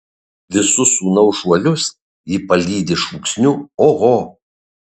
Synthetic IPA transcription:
ʋʲɪsʊsuːnɐʊʒuɔlʲʊs | jiːpɐlʲiːd̪ʲɪʃuːksʲnʲʊoːɣoː

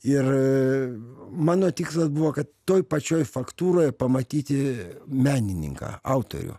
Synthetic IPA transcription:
ɪr | mɑːnoːt̪ʲiːkslˠɐsbuʋoːkɐt̪t̪oːjpɐt͡ʃʲoːjfɐkt̪uːɾoːjpɐmɐt̪ʲiːt̪ʲɪmʲæːnʲɪnʲɪ̰ŋkɑ̰ːɐʊt̪o̰ɾʲʊ̰

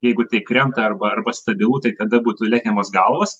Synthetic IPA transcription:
jɛɪɡʊt̪ɐɪkɾʲɛnt̪ɐɐrbɐɐrbɐst̪ɐbʲɪlˠuːt̪ɐɪt̪ɐd̪ɐbuːt̪ʊlʲæːkʲɛmoːsɡɐlˠʋoːs

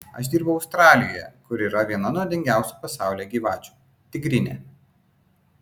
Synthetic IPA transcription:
ɐ̰ʃd̪ʲiːɾbɐʊɐʊst̪ɾɑːlʲɪjoːjɛ̰kʊɾiːɾɐʋʲiɛnɐnɔd̪ʲɛŋʲɡʲæˑʊsʲupɐsɑˑʊlʲeɡʲiːʋɑːt͡ʃʲu̥ː | t̪ʲɪɡɾʲɪnʲḛː

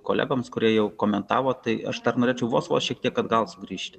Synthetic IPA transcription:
koːlʲæ̰ːɡoːmskʊɾʲiɛjɛʊkoːmʲɛnt̪ɑːʋoːt̪ɐɪɐʃd̪ɐrnoːɾʲeːt͡ʃʲɛʊʋo̰ːsʋoːsʃʲiɛk̚t̪ʲiɛkɐd̪ɡɐlˠsʊɡɾʲiːʃʲt̪ʲɪ

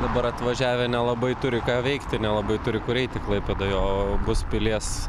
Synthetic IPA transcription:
d̪ɐbɐɾɐt̪ʋɐʒʲæːʋʲɛnʲɛlˠɐbɐɪt̪ʊɾʲɪkɑːʋʲɛɪkt̪ʲɪnʲɛlˠɐbɐɪt̪ʊɾʲɪkʊɾʲɛɪt̪ʲɪklˠɐɪpʲɛd̪ojoːbʊspʲɪlʲiɛs

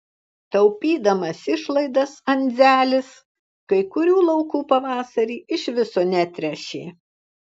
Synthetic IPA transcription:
t̪ɐʊpʲiːd̪ɐmɐsɪʃlˠɐɪd̪ɐsɐnʲd̪zʲæːlʲɪs | kɐɪkʊɾʲuːlˠɐʊkuːpɐʋɑːsɐɾʲiːʔɪʃʲʋʲɪsoːnʲæt̪ʲɾʲɛʃʲeː

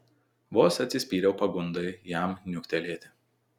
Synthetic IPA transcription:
ʋoːsɐt̪ʲsʲɪsʲpʲiːɾʲɛʊpɐɡʊnd̪ɐɪjæˑmnʲʊkʲt̪ʲɛlʲeːt̪ʲɪ

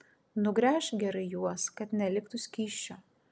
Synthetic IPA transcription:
nʊɡɾʲæːʃɡʲɛɾɐɪjuɔskɐt̪nʲɛlʲɪkt̪ʊsʲkʲiːʃʲt͡ʃʲoː

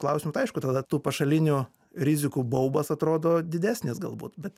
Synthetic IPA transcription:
klˠɐʊsʲɪmʊt̪ɐɐɪʃkʊt̪ɐd̪ɐt̪uːpɐʃɐlʲɪnʲuː | ɾʲɪzʲɪkuːbɐʊbɐsɐt̪ɾoːd̪oːd̪ʲɪd̪ʲæːsʲnʲɪsɡɐlˠbṵːt̪bʲɛt̪

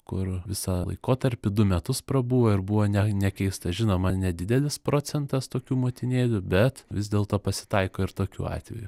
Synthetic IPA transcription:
kʊrʋʲɪsɐlˠɐ̰ɪkoːt̪ɐɾʲpʲɪd̪ʊmʲɛt̪ʊspɾɐbuːʋoːɪɾbʊʋoːnʲɛnʲɛkʲɛɪst̪ɐʒʲɪnoːmɐnʲɛd̪ʲɪd̪ʲɛlʲɪspɾoːt͡s̪ʲɛnt̪ɐst̪oːkʲuːmoːt̪ʲɪnʲeːlʲʊbʲɛt̪ʋʲɪzd̪ʲeːlˠt̪oːpɐsʲɪ̥t̪ɐɪkoːɪɾt̪oːkʲṵːɑ̰ːt̪ʲʋʲɛ̰ju

